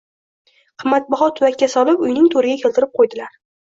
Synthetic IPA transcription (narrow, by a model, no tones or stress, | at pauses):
qʰɨmːat̪̚baχɒt̪ʰʊvakʲːasɒlɪpʊjnɪŋt̪ʰoɾɪɡʲakʲʰelt̪ɪɾɪp̚qʰojd̪ɪlaɾ